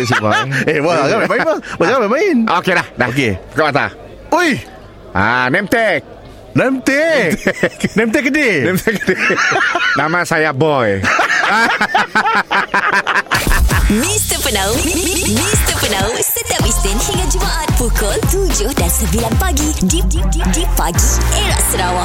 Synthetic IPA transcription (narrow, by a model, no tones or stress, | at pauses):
sbɔewəɣabamaəəzbamajinʔokedadakekabat̪a̰ | uj | a̰nɛmt̪ɛk̚ | nɛmt̪e | knɛmt̪̬ɛkdinɛmt̪ɛkdi | namasajabɔja | mist̪əpənawmist̪əpənawsət̪iapist̪ɪnhiŋad͡ʒumaʔat̪̚pukɔlt̪ud͡ʒʊhdansəbilanpaɡididididipaɡieɾaʔsəɾawa